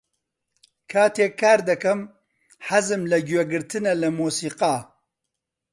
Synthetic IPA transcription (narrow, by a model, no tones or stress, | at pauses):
kʰaːt̪ʰeːkaːɾd̪ɐkɐm | ħɐzɨmlɐɡweɡɨɾt̪ʰɨnɐlɐmuːsiːqaː